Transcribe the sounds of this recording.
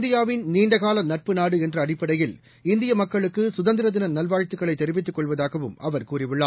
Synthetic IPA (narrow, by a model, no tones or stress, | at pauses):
nd̪ɪjaːʋɪnniːɳɖɐɣaːlɐnɐʈ̚pɯnaːɽɯɛndrɐːɽɪpːɐɽɐjɪl | ɪnd̪ɪjɐmɐkːɐɭɯkːɯsʊðɐnd̪ɪɾɐðɪnɐnɐlʋaːɻt̪ːɯkːɐɭɐɪt̪ːɛɾɪʋɪt̪ːɯkːɔɭʋɐðaːɣɐʋɯmɐʋɐɾkuːrɪʋɪɭːaː